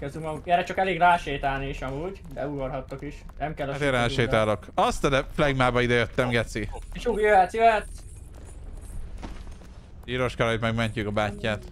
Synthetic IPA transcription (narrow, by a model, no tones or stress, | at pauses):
køzymɒɡukɛɾɛt͡ʃɒkɛleːɡlaːʃeːt̪aːlniːʃɒmuːɟbɛ̰uɡorɦɒt̪ːokiʃnɛmkɛlːɒtt̪eɾaːʃeːt̪aːlo̞kɒst̪ɛd̪ɛflɛɡmaːbɒid̪ɛjøt̪ːɛmɡɛt̪sieʃuːɡjøɛt̪sjøɛt̪ː | iːɾoʃkɒɾɒjit̪mɛɡmɛɲcykɒbaːcːaːt̪